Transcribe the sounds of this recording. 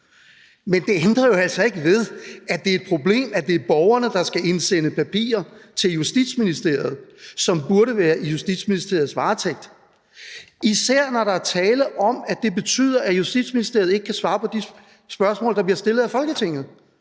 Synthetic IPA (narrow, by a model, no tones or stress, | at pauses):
mend̥e̝end̥ʁɐjo̝æl̰sɒ̽e̝ɡ̥əʋe̝ð̞ˠæd̥e̝æe̥pʰʁo̝b̥le̝̰ːmæd̥e̝æɐb̥ɒʊɐnəd̥ɑ̈sɡ̥æʔe̝nsenəpʰæpʰḭːɐt͡sʰe̝ljusd̥id̥sminisd̥e̝ɐ̰ɪð̞̩ˠsɒ̽mb̥uɐɾəʋæːɐʔijusd̥id̥sminisd̥e̝ɐ̰ð̩ˠsʋɑ̈ːt͡sʰeɡ̥̚d̥ | isæɐ̰nɒɾɑ̈æt͡sʰɛːləʔɒ̽mæd̥e̝be̝t͡sʰy̰ð̞̰ˠɐʔæjusd̥id̥sminisd̥e̝ɐ̰ð̩ˠe̝ɡ̥ə̥kʰæsʋɑ̈ːpʰɒ̽d̥i | sb̥ɶɐsmɔ̰̽ːld̥ɑ̈b̥liɐsd̥e̝lð̩ˠæfɒ̽lɡ̥ət͡sʰe̝ŋ̰ð̞̩ˠ